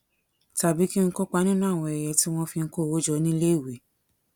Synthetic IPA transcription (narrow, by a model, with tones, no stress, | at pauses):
ta˨bi˨˦ki˦ŋ̩˦ko˦k͡pa˧˦nĩ˦nã˦˨w̃ɔ̃˧ɛ˨jɛ˧ti˦w̃ɔ̃˦fi˧ŋ̩˧˦ko˦˨wo˦d͡ʒɔ˧˦nĩ˦le˦i˦˨we˨˦